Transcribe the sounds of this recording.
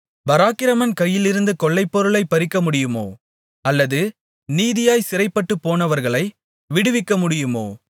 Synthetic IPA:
bɐɾaːkɪɾɐmɐnkɐjːɪlɪɾɯnd̪ɯkɔɭːɐɪpːɔɾɯɭɐɪpɐɾɪkːɐmʊɽɪjɯmo̰ː | ɐlːɐðɯ | niːðɪjaːjsɪɾɐɪpːɐʈːɯpːoːnɐʋɐɾɣɐɭɐɪ | ʋɪɽɯʋɪkːɐmʊɽɪjɯmo̰ː

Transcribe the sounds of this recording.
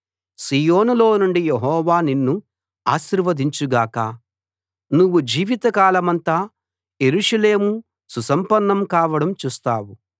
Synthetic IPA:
siːjoːnulo̞ːnuɳɖijeɦɔːʋaːninːu | aːʃiɾʋɐd̪iɲt͡ʃuɡaːkɐ | nuʋːud͡ʒiːʋit̪ɐkaːlɐmɐnt̪aː | jeɾuʂɐle̞ːmu | susɐmpɐnːɐmkaːʋɐɽɐmt͡ʃuːst̪aːwu

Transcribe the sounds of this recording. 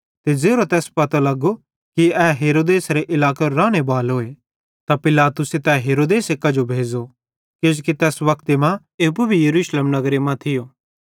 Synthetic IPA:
t̪ed͡zeːɾot̪ɛːspɐt̪alɐɡo | kiɛːɦeːɾoːd̪eːsɾeʔɪlaːkeɾɾaːɽ̃ebaːlɦoːe | t̪apɪlaːt̪ʊset̪ɛɦeːɾoːd̪eːsekɐd͡ʒobʱeːd͡ʒo | ked͡ʒokit̪ɛːsʋɐkt̪emã | eːpubʱijɐɾuːʃleːmnɐɡɾemãt̪ʰɪjoː

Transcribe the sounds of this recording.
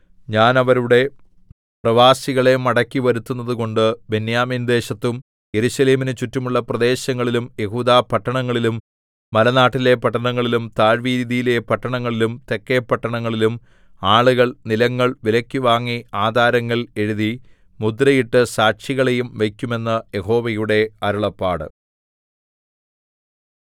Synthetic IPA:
ɲaːnɐʋɐɾuɽe̞ | prɐʋaːsiɣɐɭe̞mɐɽɐkʲːiʋɐɾut̪ːunːɐðuko̞ɳɖɨbenjaːmind̪e̞ːɕɐt̪ːum | je̞ɾuɕɐle̞ːminɨt͡ɕutːumuɭːɐprɐd̪e̞ːɕɐŋːɐɭilumje̞ɦuːd̪aːpɐʈːɐɳɐŋːɐɭilumː | ɐlɐnaːʈːile̞pɐʈːɐɳɐŋːɐɭilumt̪aːɻʋiːɾiðijile̞pɐʈːɐɳɐŋːɐɭilumt̪e̞kːepːɐʈːɐɳɐŋːɐɭilum | aːɭuɣɐɭnilɐŋːɐɭʋilɐkʲːuʋaːŋːiaːd̪ʱaːɾɐŋːɐɭe̞ɻuði | mud̪rɐjiʈːɨsaːkʂiɣɐɭejumʋekʲːume̞nːɐje̞ɦo̞ːʋɐjuɽe̞ɐɾuɭɐpːaːɽɨ̰

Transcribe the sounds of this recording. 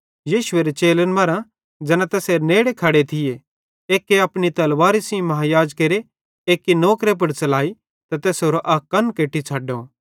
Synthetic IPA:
jiːʃʊeɾet͡ʃeːlənmɐɾã | d͡ʒɛːnãt̪ɛːseɾneːɽekʰɐɽet̪ʰɪje | eːkːeɐpnit̪ɐlʋaːɾisĩmɐɦajaːd͡ʒkeɾe | eːkːinoːkɾep̬ɐɾt͡ʃɐlaːi | t̪ɐt̪ɛːsɦoːɾoʔɐːkːɐnkeːʈːit͡ʃʰaːɖo

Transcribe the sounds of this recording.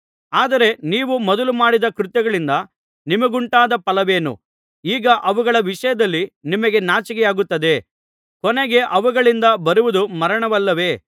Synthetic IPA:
aːd̪ɐɾe̞niːʋumɐd̪ɐlumaːɽid̪ɐkɾut̪jɐɡɐɭind̪ɐ | nimɐɡuɳʈaːd̪ɐpɐlɐʋe̞ːnṵ | iːɡɐʔɐʋuɡɐɭɐʋiʂɐjɐd̪ɐlːinimɐɡe̞naːt͡ʃɐkɛjaːɡut̪ːɐd̪e̞ | kɔnɛɡe̞ʔɐʋuɡɐɭind̪ɐbɐɾuʋud̪umɐɾɐɳɐʋɐlːɐʋe̞ː

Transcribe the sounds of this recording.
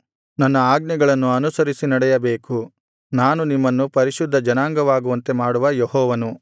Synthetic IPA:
nɐnːɐaːɡnɐɡɐɭɐnːuɐnusɐɾisinɐɽɛjɐbeːku | naːnunimːɐnːupɐɾiʃud̪ʱːɐd͡ʒɐnaːŋɡɐʋaːɡuʋɐnt̪e̞maːɽuʋɐjeɦɔːʋɐnu

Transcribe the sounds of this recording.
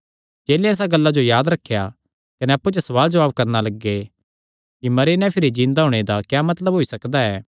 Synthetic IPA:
d͡ʒeːleɛːs̬aɡɐlːad͡ʒojaːd̪ɾɐkʰːja | kɐnɛɐpːut͡ʃesɐʋaːld͡ʒɐʋaːb̚kɐɾnalɐɡːe | kimɐɾenɛ̃pʰɪɾid͡ʒĩːnd̪aɦoːɽ̃ed̪akjaːmɐt̪ləbɦoːisɐkd̪aɛː

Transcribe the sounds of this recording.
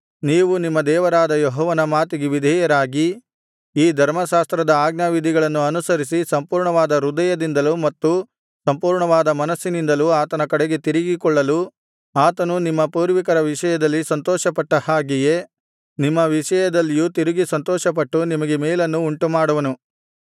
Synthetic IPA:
niːʋunimːɐd̪ɛːʋɐɾaːd̪ɐjɔɦɔːʋɐnɐmaːt̪iɡeʋid̪ʱijɐɾaːɡi | iːd̪ʱɐɾmɐʃaːst̪ɾɐd̪ɐaːɡnaʋid̪ʱiɡɐɭɐnːuɐnusɐɾis̬isɐmpuːɾɳɐʋaːd̪ɐɾud̪ɐjɐd̪ind̪ɐlumɐt̪ːu | sɐmpuːɾɳɐʋaːd̪ɐmɐnɐsːinind̪ɐluaːt̪ɐnɐkɐɽeɡe̞t̪iɾiɡikɔɭːɐlu | aːt̪ɐnunimːɐpuːɾʋikɐɾɐʋiʂɐjɐd̪ɐlːisɐnt̪ɔːʃɐpɐʈːɐhaːɡije | nimːɐʋiʂɐjɐd̪ɐlːijut̪iɾiɡisɐnt̪ɔːʃɐpɐʈːunimɐɡe̞mɛːlɐnːuːɳʈumaːɽuʋɐnu

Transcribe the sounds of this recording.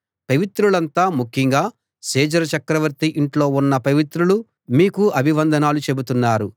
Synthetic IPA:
pɐʋit̪ɾuɭɐnt̪aːmukʰːiŋɡaː | seːd͡ʒɐɾɐt͡ʃɐkɾɐʋɐɾt̪iʔiɳʈlo̞ːunːɐpɐʋit̪ɾulu | miːkuɐbʱiʋɐnd̪ʱɐnaːlut͡ʃe̞but̪unːaːɾu

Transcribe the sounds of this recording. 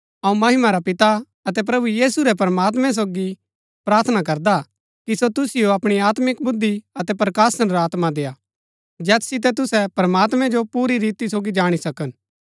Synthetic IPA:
ɐũmɐɦɪmaɾapɪt̪a | ɐt̪ɛp̬ɾɐbujiːsuɾɛp̬ɐɾəmaːt̪̬mɛ̃s̬oːɡi | pɾaːɾt̪ʰnak̬ɐɾd̪a | kisot̪ʊsɪjoɐpɽ̃iaːt̪mɪkbʊd̪ːiɐt̪ɛpɾɐkaːsənɾaːt̪mad̪eːa | d͡ʒɛːssɪt̪̬ɛt̪ʊsɛpɾəmaːt̪mɛ̃d͡ʒopuːɾiɾiːt̪isoːɡid͡ʒaːɽ̃isɐkən

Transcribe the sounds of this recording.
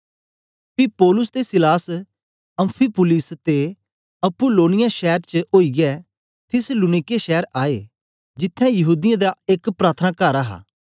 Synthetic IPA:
pipɔːlʊst̪esɪlaːs | ɐ̃mpʰipʊlɪst̪e | ɐpʊloːnɪjaʃɛːɾt͡ʃəoːiɡɛ | t̪ʰɪslunɪkeʃɛːəɾaːe | d͡ʒɪt̪ʰːɛ̃jɐɦuːd̪ɪjãd̪aekpɾaːt̪ʰənakaɾaɦa̰ː

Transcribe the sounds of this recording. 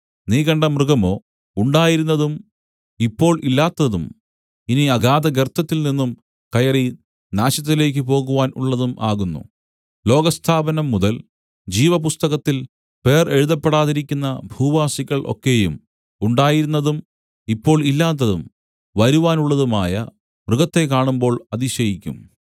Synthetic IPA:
niːɣɐɳɖɐmrɨɣɐmo̞ː | uɳɖaːjiɾunːɐðum | ipːo̞ːɭʔilːaːt̪ːɐðum | iniɐɡaːd̪ɐɡert̪ʰːɐt̪ːilninːum | kɐjɐri | naːɕɐt̪̬ːile̞ːk̬ʲːɨpo̞ːɣuʋaːnṵɭːɐðumʔa̰ːɣunːṵ | lo̞ːɡɐst̪ʰaːbɐnɐmːuðɐl | d͡ʑiːʋɐpust̪ɐɣɐt̪ːil | pe̞ːre̞ɻuðɐpːe̞ɽaːðiɾikʲːunːɐbʱuːʋaːsiɣɐɭʔo̞̰kːe̞jṵm | uɳɖaːjiɾunːɐðum | ipːo̞ːɭilːaːt̪̬ːɐðum | ʋɐɾuʋaːnuɭːɐðumaːjɐ̰ | ʋrɨɡɐt̪ːe̞kːaːɳumbo̞ːɭɐðiɕɐjikʲːṵm

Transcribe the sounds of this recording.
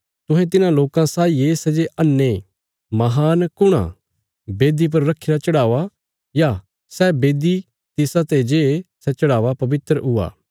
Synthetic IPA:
t̪ʊɦɛt̪̬ɪnãloːkãsaːiesɛd͡ʒeʔɐnːe | mɐɦaːnkʊɽ̃ã̰ | beːd̪ip̬ɐɾːɐkʰːeːɾat͡ʃɐɽaːʋa | ja | sɛbeːd̪i | t̪ɪsat̪ed͡ʒeːsɛt͡ʃɐɽaːʋapɐbɪt̪ɾɦʊa̰ː

